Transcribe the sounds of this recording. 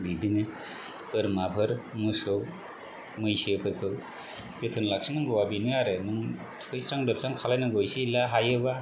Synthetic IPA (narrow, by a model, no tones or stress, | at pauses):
bidinɯ | ɯɾmapʰɯɾmɯsɯw | mɯjsepʰɯɾkʰɯw | zetʰɯnlak̚sinɯŋɡɯwabinɯaɾenɯŋ | tʰɯjsɾaŋbep̚saŋkʰalajnɯɡojsilaɦajɯba